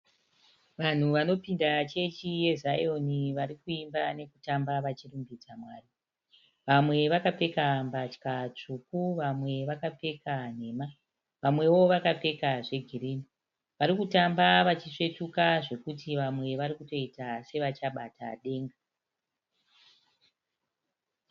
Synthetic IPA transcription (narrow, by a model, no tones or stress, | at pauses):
ʋan̤uʋano̞pindat͡ʃe̞t͡ʃije̞zajo̞niʋaɾikuimbane̞kutambaʋat͡ʃirumbit͡samwaːri | ʋamwe̞ʋakape̞kambat͡ʃkat͡ʂukuʋamwe̞ʋakape̞kan̤e̞ːma | ʋamwe̞wo̞ʋakap͡fe̞kaʐe̞ɡʱiriːni | ʋaɾikutambaʋat͡ʃiʂe̞tukaʐe̞kutiʋamwe̞ʋaɾikuto̞itase̞ʋat͡ʃaɓatʰa̰ɗe̞ːŋɡa